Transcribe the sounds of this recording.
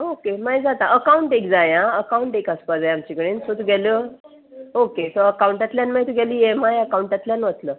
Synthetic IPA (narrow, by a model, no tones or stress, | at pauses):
okemajd͡zat̪aʔəkauɳʈekd͡zajãəkauɳʈekəspad͡zajamt͡ɕikəɽensot̪uɡʱɛlə | okesəəkauɳʈjat̪ljanmajt̪uɡɛliːjemajəkauɳʈat̪ljanʋət̪lə